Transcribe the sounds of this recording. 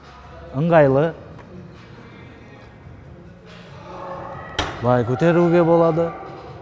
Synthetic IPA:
əŋɡajlə | bajkʰut̪ʰeɾuɡebɔlad̪ɯ

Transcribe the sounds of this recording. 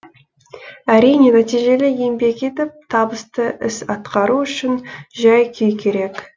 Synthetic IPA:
æɾijne̞næt̪ijʒe̞lɪjembe̞kʲet̪ɪp̚t̪ʰɑbəst̪əʔɪ̰sɑt̪qɑɾuʏʃɪnʒɑjkʲʰejkʲʰe̞ɾe̞k

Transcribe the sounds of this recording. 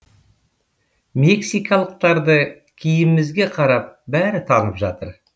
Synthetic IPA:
me̞ksijkɑlˠəq̚t̪ɑɾd̪ə | kʲʰijɪmːɪzɡʲe̞qʰɑɾɑp̚bæɾɪt̪ʰɑnəpʒɑt̪əɾ

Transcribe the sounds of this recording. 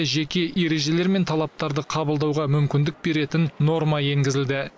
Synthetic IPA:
ʒe̞kʲe̞ʔe̞ɾe̞ʒe̞le̞ɾme̞nt̪ʰɑlˠɑp̚t̪ɑɾd̪əqʰɑbəlˠd̪ɑwʁɑmʏmkʲɪnd̪ɪk̚be̞ɾe̞t̪ɪnːo̞ɾmɑje̞ŋɡʲɪzɪld̪ɪ

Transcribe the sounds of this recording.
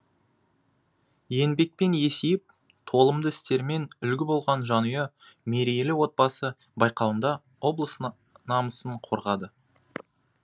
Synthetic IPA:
je̞nbe̞k̚pe̞nje̞sejɪp̚ | t̪ʰo̞lˠəmd̪əɪst̪e̞ɾme̞nʏlɡʲɪbo̞lˠʁɑnʒɑnujɑ | me̞ɾijelɪwo̞t̪̚pɑsə | bɑjqɑwənd̪ɑ | wo̞blˠəs | nɑməsəɴqʰoɾʁɑd̪ə

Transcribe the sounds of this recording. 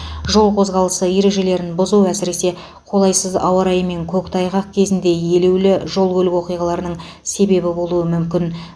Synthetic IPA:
ʒo̞lˠqʰo̞zʁɑlˠəsəje̞ɾe̞ʒe̞le̞ɾɪnbʊzuæsɪɾe̞se̞ | qʰo̞lˠɑjsəzɑ̰wɑɾɑjme̞ŋkʲʰɵkt̪ʰɑjʁɑq̚kʲʰe̞zɪnd̪e̞je̞lewlɪʒo̞lˠkʲʰɵlɪkwo̞qijʁɑlˠɑɾənəɴ | se̞be̞bɪbo̞lˠuəmʏmkʲɪn

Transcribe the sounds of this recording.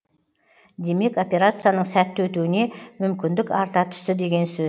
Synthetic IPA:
d̪e̞me̞ko̞pʲe̞ɾat̪sɨjanəɴsæt̪ːwɵt̪uwɪne̞mʏmkʲɪnd̪ɪkɑɾt̪ɑt̪ʰʏ̥ʃt̪ɪd̪e̞ɡʲe̞nsɵz

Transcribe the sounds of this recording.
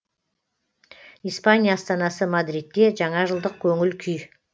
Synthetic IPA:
ijspanʲijaːst̪ɑnɑsəmad̪ɾit̪ːe̞ʒɑɴɑʒəlˠd̪əq̚kʲʰɵŋɪlkʲʰʏj

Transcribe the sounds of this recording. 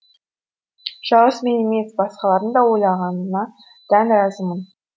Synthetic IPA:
ʒ̥ɑʁəsme̞neme̞ssbɑsqɑlˠɑɾənd̪ɑwo̞jlˠɑʁɑnnɑ | d̪̥ænɾɑzəmən

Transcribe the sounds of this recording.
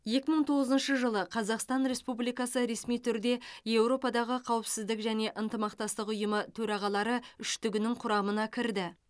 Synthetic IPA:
je̞kʲɪməɴt̪ʰo̞ʁəzənʃəʒəlˠəqʰɑzɑqst̪ɑnɾe̞spublijkɑsəɾe̞smijt̪ʰʏɾd̪e̞je̞wɾo̞pɑd̪ɑʁəqʰɑwəpsɪzd̪ɪkʒæne̞ʔənt̪əmɑqt̪ɑst̪əqʊjəmət̪ʰɵɾɑʁɑlˠɑɾəʏʃt̪ʏɡʲɪnɪŋqʰʊɾɑmənɑkʲʰɪɾd̪ɪ

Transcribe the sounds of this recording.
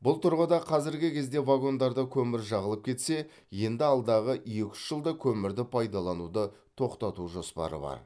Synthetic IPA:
bʊlˠt̪ʰʊɾʁəd̪ɑqʰɑzɪɾɡʲɪkʲʰe̞zd̪e̞vaɡo̞nd̪ɑɾd̪əkʲʰɵmɪɾʒɑʁəlˠəp̚kʲʰe̞t̪se̞ | je̞nd̪ɪɑlˠd̪ɑʁəʔje̞kʲɪ̥sʒ̥əlˠd̪əkʲʰɵmɪɾd̪ɪpʰɑjd̪ɑlˠɑnud̪ə | t̪ʰo̞qt̪ɑt̪uʒo̞spɑ̰ɾə̰bɑ̰ɾ

